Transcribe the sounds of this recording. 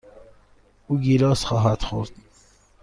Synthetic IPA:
uːɡilɒːsxɒːɦæd̪̥xoɾd̪̥

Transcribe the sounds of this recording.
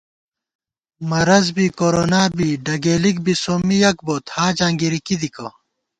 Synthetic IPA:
mɐɾɐzbiːkoɾoːnaːbiːɖɐɡeːlik̚bisoːmijɐk̚boːt̪haːd͡ʑaːŋɡiɾikid̪ikɐ

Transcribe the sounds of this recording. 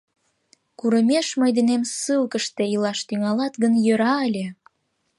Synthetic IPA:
kuɾəmeʃməjd̪enemsɨlkəʃt̪eilɑʃt̪yŋɑlɑt̪ɡənjøɾɑəlʲe

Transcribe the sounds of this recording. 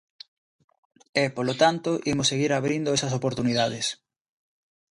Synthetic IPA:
epolot̪ant̪oʔimʊsːeɣiɾaβɾind̪oʊɛsɐs̬opoɾt̪uniðað̞es

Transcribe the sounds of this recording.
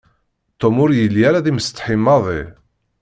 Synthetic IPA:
t̪ːomʊɾjəlːjaɾaðiməst̪ˤħimːɑðˤḭ

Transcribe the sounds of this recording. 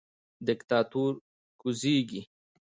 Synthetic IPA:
d̪ɪkt̪ɑːt̪uɾ | kuziɡi

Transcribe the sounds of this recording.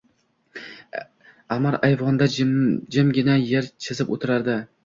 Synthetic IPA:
amaɾajvɒnd̪ad͡ʒɪmɡʲɪnajeɾt͡ʃʰɪzɪpot̪ʰɪɾaɾd̪ɪ

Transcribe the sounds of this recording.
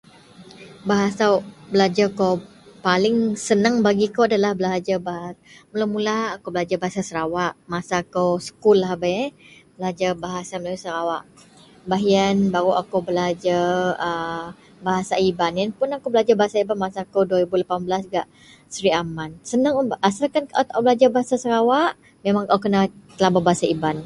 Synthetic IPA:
baɦasawbəlad͡ʒakow | palɪŋsənəŋbaɡikowadalahbəlad͡ʒabaɦaməlawmulaakowbəlad͡ʒabaɦasasəɾawaʔmasakowsə̥kulːahbaɛbəlaad͡ʒabaɦasaməlasəɾawaʔ | baɦiənbaɾuʔakowbəlad͡ʒaə | baɦasaibanjanpʊnakowbəlad͡ʒabaɦasaibanmasaːkowduwaɾibulapanbəlasɡaʔ | səɾiamansənaŋʔasalkanat̪aʔbəlad͡ʒabaɦasasəɾawaʔ | memãŋkawkənat̪əlababaɦasaiban

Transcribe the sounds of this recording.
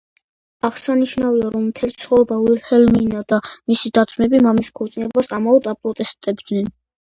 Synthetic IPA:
aʁsaniʃnaviaɾɔmːt̪ʰɛlit̪sʰχɔvɾɛbavilhɛlminad̪amisid̪at̪sʰʼmɛbimamiskʰɔɾt̪sʼinɛbasamaɔd̪apʼɾɔt̪ʼɛst̪ʼɛbd̪nɛn

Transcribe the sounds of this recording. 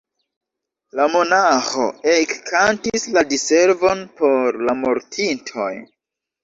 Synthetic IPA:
lamo̞naxo̞̰ekkʰantisladiseɾvo̞npo̞ɾlamoɾtʰintʰo̞̰j

